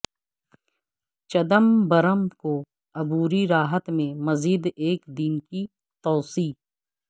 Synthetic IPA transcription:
t͡ʃɐd̪əmbɐɾəmko | ɐbuːɾiɾaːɦət̪mẽmɐziːd̪eːkd̪iːnki | t̪ɔːsiː

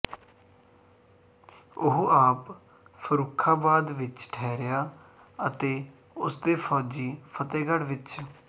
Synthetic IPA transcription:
ʊɦuːaːp | pʰəɾʊːkʰːaːbaːd̪ʋɪt͡ʃʈʰɛːɾjaː | ət̪eː | ʊsd̪eːpʰɔːd͡ʒiːpʰət̪eːɡəɽʋɪt͡ʃ

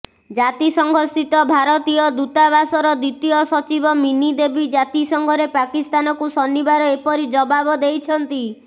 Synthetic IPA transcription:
d͡ʒat̪isɔŋɡʱɔsit̪ɔbʱaɾɔt̪ijɔd̪ut̪aβasɔɾɔd̪it̪iɔsɔt͡ʃibɔminid̪ebid͡ʒat̪isɔŋɡʱɔɾepakist̪anɔkusɔnːibaɾɔepɔɾid͡ʒɔbabɔd̪ejt͡ʃʰɔnt̪i

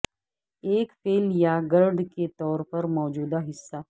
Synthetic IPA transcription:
eːkfeːljaɡɐɾɖket̪ɔːɾpɐɾmɔːd͡ʒuːd̪aɦɪsːa

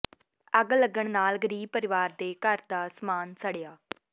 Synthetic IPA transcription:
əɡləɡəɳnaːlɡəɾiːb̚pəɾɪʋaːɾd̪eːkəɾd̪aːsəmaːnsəɽɪjaː

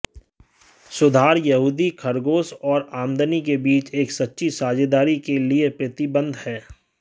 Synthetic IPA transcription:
sʊd̪ʱaːɾjɐɦuːd̪ikʰɐɾɡoːsɔːɾãːmd̪ənikebiːt͡ʃeːksɐtːʃʰisaːd͡ʒed̪aːɾikeliepɾət̪ibə̃nd̪hɛː

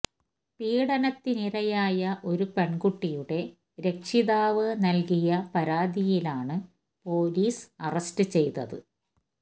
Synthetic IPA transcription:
piːɽɐnɐt̪ːiniɾɐjaːjɐʔo̞ɾupe̞ɳɡuʈːijuɽe̞ | ɾe̞kʂiðaːʋɨnɐlkijɐpɐɾaːd̪ijilaːɳɨ | po̞ːliːsɐrɐstɨt͡ɕe̞jt̪ɐ̰ðɨ̰

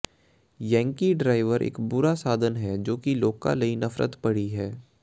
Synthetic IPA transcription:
jɛ̃ːŋkiɖɾaːɪʋəɾʔḛːkbʊɾasaːd̪ʱənɦɛd͡ʒoːkiloːka̰lɐinɐfɾə̰t̪pɐɽiɦɛː

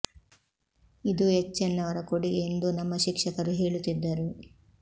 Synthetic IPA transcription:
id̪uɦet͡ʃːɛnːɐʋɐɾɐkoɽiɡeend̪unɐmːɐʃikʂɐkɐɾuɦe̞ːɭut̪ːid̪ːɐɾu

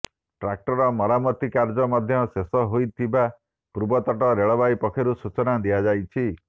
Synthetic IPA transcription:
ʈɾak̚ʈɔɾɔmɔɾamɔt̪ikaɾd͡ʒɔmad̪ʱjɔsesɔɦojt̪ʰiba | puɾbɔt̪ɔʈɔɾeɭɔbajpɔkʰɔɾusut͡ʃɔnad̪iad͡ʒajt͡ʃʰi

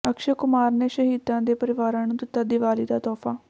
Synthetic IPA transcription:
əkʃəkʊmaːɾneːʃəɦiːd̪ãːd̪eːpəɾɪʋaːɾãːnũːd̪ɪt̪ːaːd̪ɪʋaːɾiːd̪aːt̪ɔːpʰaː

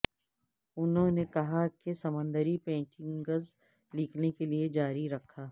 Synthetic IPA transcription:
ʊnɦõnekɐɦakesɐmə̃nd̪əɾipẽːʈɪ̃ŋɡɐz | lɪkʰnekelied͡ʒaːɾiɾɐkʰːaː

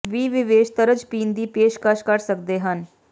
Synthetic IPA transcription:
ʋiːʋɪʋeːʃt̪əɾəd͡ʒpĩːnd̪iːpeːʃkəʃkəɾsək̚d̪eːɦən

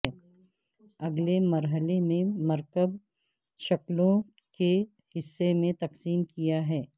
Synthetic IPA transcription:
ɛ | ɐɡlemɐɾɦəlemẽmɐɾkəb | ʃɐklõ | ke | hɪsːemẽt̪ɐqsiːmkijaɦɛː

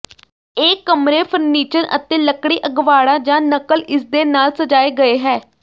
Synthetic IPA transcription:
eːkːəmɾeːpʰəɾniːt͡ʃənʔə̰t̪eːləkɽiːʔəɡʋaːɽãːd͡ʒãːnəkəlʔɪsd̪eːnaːlsəd͡ʒaːeːɡəeːɦɛː

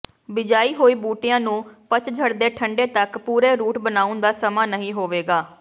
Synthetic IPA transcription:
bɪd͡ʒaːiːɦoːiːbuːʈɪjãːnũːpət͡ʃd͡ʒʱəɽd̪eːʈʰəɳɖeːt̪əkpuːɾeːɾuːʈbənaːʊnd̪aːsəmaːnəɦĩːɦoːʋeːɡaː

